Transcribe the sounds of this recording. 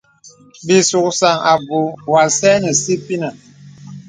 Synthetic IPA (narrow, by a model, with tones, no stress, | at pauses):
bi˨su˨k̚sa˨ŋa˨bu˨wa˨sɛ˦nə˨si˦pi˦na˨